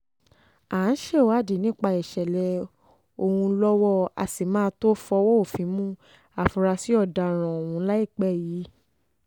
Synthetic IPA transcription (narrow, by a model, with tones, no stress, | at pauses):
a˨˦n̩˦ʃe˦˨wa˦˨di˨˦nĩ˦k͡pa˧i˨ʃɛ˨lɛ˧ | o˧hũ˧˦lɔ˦wɔ˦a̰˨si˨mãː˦˧˦to˦fɔ˧wɔ˦o˦˨fĩ˨˦mũ˦ | a˨fũ˧ɾa˧si˨˦ɔ˦˨da˧ɾ̃ɔ̃˨o˨wũ˧˦la˦i˦˨k͡pɛ˦˨jiː˨˦